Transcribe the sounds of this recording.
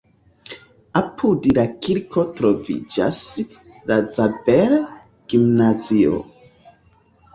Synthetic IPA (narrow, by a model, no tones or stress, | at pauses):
apʰudlakiɾkʰo̞tɾo̞vḭd͡ʒa̰s | lad͡zabeɾ | ɡ̥imnazio̰